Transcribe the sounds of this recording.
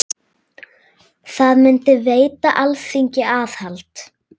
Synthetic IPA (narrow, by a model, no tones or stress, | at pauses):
θaðmʏnt̪ɪveːjt̪aʔalfiɲcɪaːθhalt̪